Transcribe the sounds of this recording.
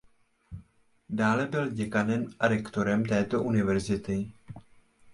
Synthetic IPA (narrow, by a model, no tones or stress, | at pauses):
daːlɛbɪlɟɛkanɛmaɾɛkt̪o̞ɾɛmt̪ɛːt̪o̞ʔunɪvɛɾzɪt̪ɪ